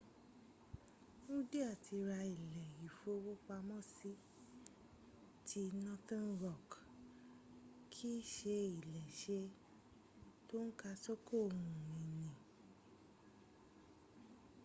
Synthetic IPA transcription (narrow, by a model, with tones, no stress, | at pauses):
ñ̩˦de˦a˦˨tʰi˧ɾa˧i˨lɛ˨ji˨fo˧˦wo˦k͡pa˧mɔ̃˦˨si˦ | tʰi˧nɔ̃˦tã˦n˦ɾɔ˦˨k | kʰi˦ʃe˧i˦˨lɛ˨ʃe˧˦ | to˦n̩˦ka˧so˦kʰo˦˨ũ˨nĩ˨nĩ˨